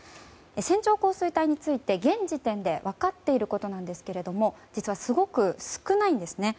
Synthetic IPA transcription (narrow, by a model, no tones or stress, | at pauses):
esẽ̞ɲ̟t͡ɕo̞ːko̞ːsɨit̪aiɲ̟it͡sɨit̪e̞ɡẽ̞ɲd͡ʑit̪ẽ̞nd̪e̞βakat̪ːe̞iɾɯ̟ko̞t̪o̞nãnd̪e̞sɨ̥ke̞ɾe̞d̪omo̞d͡ʑit͡sɨβasɨɡo̞kɯ̟sɨ̥kɯ̟naĩnd̪e̞sɨne̞